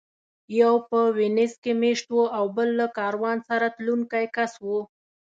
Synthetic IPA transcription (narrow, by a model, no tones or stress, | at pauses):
jawpəwenɪskemeʃt̪woʔawbəlːakɑɾwɑnsaɾat̪luŋkajkaswo